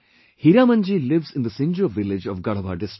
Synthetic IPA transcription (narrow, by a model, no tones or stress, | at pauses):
hiɾaːmɐ̃nd͡ʒilɪʋzɪ̃nd̪əsɪ̃nd͡ʒoʋɪlɪd͡ʒɔʋɡɐɭɐʋa̰ːɖɪsʈ